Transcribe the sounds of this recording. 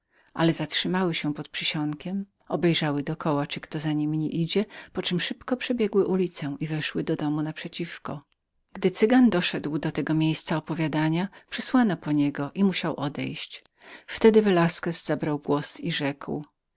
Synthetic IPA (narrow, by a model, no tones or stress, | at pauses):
ʔalɛzatʂɘmawɘɕɛ̃pɔt̪̚pʂɘɕɔŋkʲɛm | ɔbɛjʐawɘd̪ɔkʰɔwat͡ʂɘkt̪ɔzaɲimʲɲiʔid͡ʑɛpɔt͡ʂɘmʂɘpkɔpʂɛbʲjɛɡwɘʔulʲit̪sɛw̃ʔivɛʂwɘd̪ɔd̪ɔmunapʂɛt͡ɕifkɔ̰ | ɡ̥d̪ɘt̪sɘɡand̪ɔʂɛd̪wd̪ɔt̪ɛɡɔmʲjejst̪saɔpɔvʲjad̪aɲapʂɘswanɔpɔɲɛɡɔʔimuɕawʔɔd̪ɛ̰jɕt͡ɕ | ft̪ɛd̪ɘvɛlaskɛzz̥abɾawɡwɔsiʐɛkw